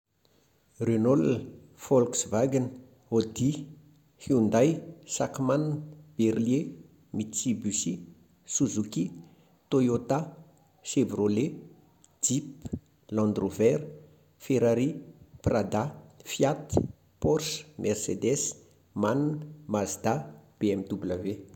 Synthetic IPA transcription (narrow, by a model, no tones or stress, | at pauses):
renɔl | fɔlksvaɡinə | od̪i | hiund̪ajsakmanb̥erlje | mit͡sibysi | suzuki | t̪ojot̪a | sebrole | d͡zip | lãnd̪rovɛɾ | feɾaɾiprad̪afjat̪i̥ | pɔrʃmʔɛrsed̪ɛs | mannmazd̪ab̥eɛmit̪ubulave